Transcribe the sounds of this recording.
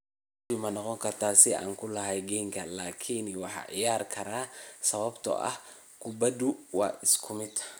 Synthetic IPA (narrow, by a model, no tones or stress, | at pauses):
t̪imɐnɔqɔŋkʰɐrt̪ʰaːsɪa̰ːŋkʰʊlɐɦɛjɡɛːŋkʰɐlaːkʰinwɑħɑ̰ːʕɪ̰jaːrkʰɐɾaːsɐβɐbt̪ʰɔ̰ʔɐ̰h | kʰʊbɐd̪ʊwɑ̰ːʔɪskʰʊmɪd̪